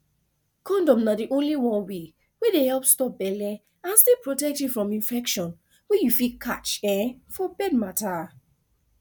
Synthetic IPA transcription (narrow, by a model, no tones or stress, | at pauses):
kʰɔ̃ndɔ̃mnadiʔõnliwɔ̃nwe | wedehɛlpstɔp̚bɛlɛ | ãnstepɹotɛk̚tufɹɔ̃mĩnfɛkʃɔ̃n | wejufikʰat͡ʃɛ̃fɔbɛd̚mata